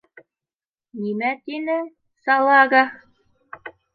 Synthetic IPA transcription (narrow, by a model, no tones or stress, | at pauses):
nʲimæt̪ʲinɘ̆ | sɑlˠɑɣɑ